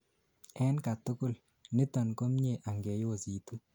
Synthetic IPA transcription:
ɛ˦nka˨t̪ʊ˦kʊ˦˨l | nɪ˦t̪ɔ˨nko˦mɲe˦˨ʔa˨ŋɡe˨jo˨zi˨t̪u˦

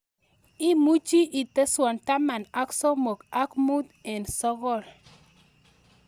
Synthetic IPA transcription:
i˦mu˦d͡ʒi˦ʔi˨te˦swa˨nta˦ma˨na˦kso˦mo˨ka˦kmu˦dɛ̃˨nsɔ˦ɣɔ˦˨l

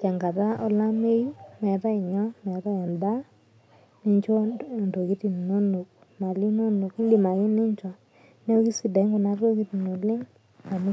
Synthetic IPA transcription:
t͡ʃa˨ŋɡa˨ta˦ɔ˦la˦me˦i˦mɛ˨ta˦ɪ˨ɲɔ˦mɛ˨ta˦˨a˨nba˦ | nɪ˦ɲt͡ʃo˦˨nto˨ɡi˦ti˨no˦no˨k | ma˨li˦no˦no˨ki˦ndi˦˨ma˨ɡɪ˦nɪ˦ɲ˦t͡ʃɔ˨ | nɛ˦o˦ɡi˦si˦˨dɛ˨˦ŋko˨na˦ɾo˦ɡi˦ti˨no˨lɪ˦ŋ | a˨m˦

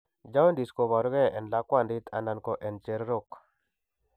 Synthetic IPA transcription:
d͡ʒa˦we˦nd̪i˨sko˨βa˨ɾu˦ɡɛ˦ʔɛ˨nla˨˦kwa˦˨ndi˦t̪ʰa̰˨na˨nko˨ʔɛ˨nt͡ʃe˨ɾɾo˦k

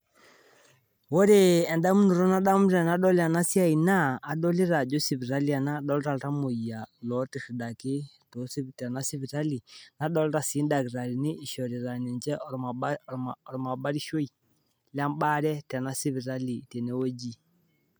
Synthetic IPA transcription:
wɔ˦ɾe˦ɛ˨nda˦mu˦nu˨ɾɔ˦na˦ɗa˦mu˦ɾɾa˨na˦ɗɔ˦li˦a˨na˦si˦a˦i˨naː˦˨ɗɔ˦li˦ɾa˨d͡ʒɔ˦si˨βi˨ɾa˦li˦a˨na˦ɗɔ˦lɾa˨lɾa˦mo˨i˨a˨lɔ˨tɛ˨ʃi˨da˨ki˦ | to˨˦si˦ta˨na˦si˦βi˨ɾa˦li˨na˨˦ɗɔ˦lɾa˨si˨˦nda˨ki˨ɾa˨ɾi˨ni˦i˨ʃɔ˨ɾi˨ɾa˨nɛ˨nd͡ʒɛ˦ɔ˨ | ɾɔ˨ma˨ba˦ɾi˦ʃo˦i˨ | la˦mba˦ɾɛ˦ta˨na˦si˦βi˨ɾa˦li˨tɛ˨nɛ˦wo˦d͡ʒi˦

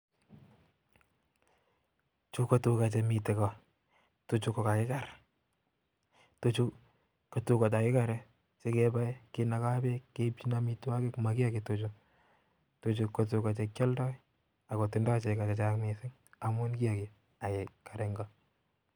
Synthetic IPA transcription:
t͡ʃu˦ko˦tu˦ka˨t͡ʃɛ˧mi˨tɛ˨kɔ˨ | tu˦t͡ʃu˦kɔ˨ka˨kɪ˦ka˨ɾ | tu˦t͡ʃu˦ | kːo˨tu˦ka˨t̬a˨kɪ˦ka˨ɾɛ˦ | sɪ˦ke˦ba˦kɪ˦na˨˦ka˦be˦kːe˦pt͡ʃi˦na˦mi˦twa˦kɪ˦kma˨kɪ˦a˦ki˨tu˨t͡ʃu˦ | tu˨t͡ʃu˧kːo˨t̬u˧ka˨t͡ʃɛ˧kt͡ʃɔ˦ldɔ˦j | a˨ko˨tɪ˨ndɔ˦t͡ʃe˨ka˨t͡ʃɛ˨t͡ʃakmi˨sɪ˦ŋ | a˨mʊ˦nki˦a˨ki˨ | a˨ke˨ka˨ɾɛ˨ŋɡɔ˦

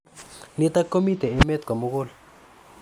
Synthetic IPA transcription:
nit̪akːo˦mit̪e˨e˦me˦t̪̚ka˨moɣo˦l

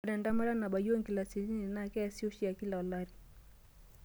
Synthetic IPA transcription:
aɾɛ˨nda˦ma˦ɾa˦na˨ɓa˨ji˦wɔ˦ŋɡi˨la˨si˨li˦ni˨na˦˨kɛ˦a˨si˦ɔ˦ʃi˦a˨ki˦la˨ɔ˨la˦ɾi˨

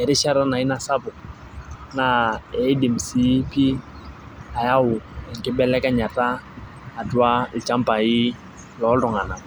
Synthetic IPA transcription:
ɛ˨ɾɪ˦ʃa˦ɾa˦na˨ɪ˦na˨sa˦pʊ˨ | na˨ɛ˨ɪ˦dɪ˨m̩˨si˨˦pi˦ | a˨ja˦ʊ˨ɛ˨ŋ˨kɪ˦bɛ˦lɛ˦ka˦ɲa˨taː˦˨ | dwa˦ɪ˨t͡ʃa˦m˦pa˨ɪ˦ | lɔ˨˦dʊ˨ŋa˨na˨

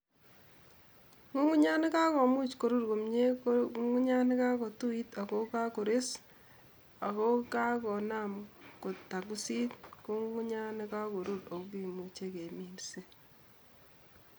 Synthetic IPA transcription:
ŋu˦ŋu˦ɲa˦ne˦ka˦ko˨mu˦t͡ʃko˨ɾu˦ɾko˨mɲe˦ŋu˦ɲa˦ne˦ka˦ko˨tu˦i˦ta˨ko˦ka˦ko˨ɾe˦s | a˨ko˦ka˦kɔ˨na˦˨mko˨ta˨ku˦si˦tko˦ŋu˦ŋu˦ɲa˦ne˦ka˦ko˨ɾu˦ɾo˨kki˨mu˨t͡ʃe˦ke˨mi˨mse˦

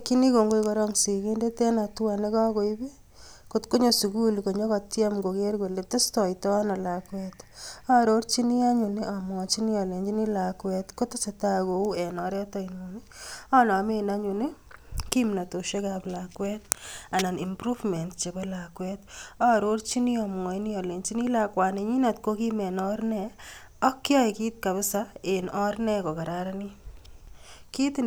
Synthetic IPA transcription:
ki˦ni˦ko˨ŋɡo˦jkɔɾɔ˦ŋsiki˦nde˦te˦na˨twane˦ka˦ko˦ibe˦ | ko˨tko˦ɲo˦su˨kulko˨ɲo˦ka˨tja˦mɡo˨ɡeɾɡo˨le˨te˦stɔ˨jtɔ˦a˦na˨lakwɛta˦ɾoɾt͡ʃi˦ni˦a˦ɲu˨ni˦ʔamɔ˨t͡ʃi˦ni˦a˨le˨ɲd͡ʒi˦ni˦la˨kwɛtko˦ta˦sata˦ɡo˨u˦ɛ˨nɔ˨ɾɛ˦ta˦inunia˦na˨me˦na˦ɲuni˦ki˦mna˨to˨ʃe˦ka˨plakwɛ˦t̚a˨na˨ni˨mpɾu˦fmɛ˨ntt͡ʃe˨bɔ˦la˨kwɛtɔ˦˨ɾo˦ɾt͡ʃi˦ni˦ɔ˨m˨ɔ˨i˦ni˦ɔ˨le˨ɲt͡ʃi˦ni˦la˦kwa˨ni˨ɲi˦na˨tko˦ki˦mɛ˨nɔɾnɛ | ɔ˦kːjɔ˦ɪ˨ki˦t̚ka˨βɪ˦sa˦e˨nɔ˦ɾnɛ˦kɔ˨ka˨ɾa˨ɾa˦ni˦ | ki˦t

